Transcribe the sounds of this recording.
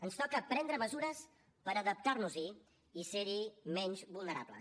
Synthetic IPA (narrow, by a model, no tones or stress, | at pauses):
ənst̪ɔkəpɾɛnd̪ɾəməzuɾəs | pəɾəðəp̚t̪arnuzi | iseɾimɛɲʲzβulˠnəɾa̰blə̰